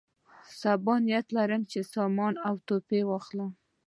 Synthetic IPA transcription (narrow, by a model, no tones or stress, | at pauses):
sabɑnijat̪laɾəmt͡ʃesɑmɑnawt̪opewɑxla